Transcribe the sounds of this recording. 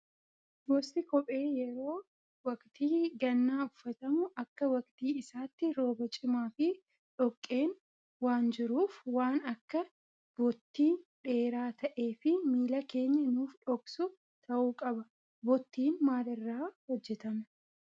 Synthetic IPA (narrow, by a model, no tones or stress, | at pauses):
bɔsɪkɔpʼe̞ːjɛɾo̞ː | wɐkt̪iːɡɐnːaːʊfːɐt̪ɐmʊʔɐkːɐwɐkt̪iːɪsaːt̪ːɪɾo̞ːbɐt͡ʃʼɪmaːfɪ | ᶑɔkʼːe̞ːn | waːnd͡ʒɪɾuːfwaːnɐkːɐ | bɔt̪ːiːnᶑe̞ːɾaːt̪ɐʔe̞ːfɪmiːlɐke̞ːɲːɐnuːfᶑɔksʊ | t̪ʰɐʔuːkʼɐbɐ | bɔt̪ːiːnmaːlɪrːaːhɔd͡ʒːɛt̪ɐmɛ